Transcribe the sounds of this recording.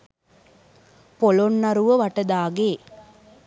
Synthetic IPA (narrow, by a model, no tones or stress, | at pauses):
polonːɐɾuʋəʋaʈəd̪aːɡeː